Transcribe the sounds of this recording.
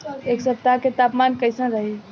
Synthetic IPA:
eksəp̚t̪aket̪apmankəjsə̃ɾəɦi

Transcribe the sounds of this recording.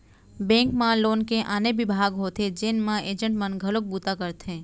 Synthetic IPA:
bɛ̃ːŋkmãloːnkeʔaːnebɪbʱaːɡɦoːt̪ed͡ʒeːnmãʔeːd͡ʒə̃ɳʈmənɡʱəlok̚buːt̪akəɾt̪ẽː

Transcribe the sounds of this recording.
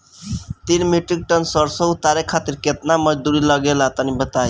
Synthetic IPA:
t̪inmiʈɾik̚ʈənsəɾsəut̪aɾekʰat̪iɾket̪naməd͡ʒd̪uɾiləɡelat̪ənibət̪aj

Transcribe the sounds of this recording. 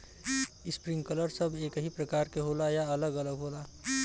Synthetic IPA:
ɪspɾɪ̃ŋɡkələɾsəbʱeːkɦipɾəkaːɾkeɦoːlajaələɡələɡɦoːla

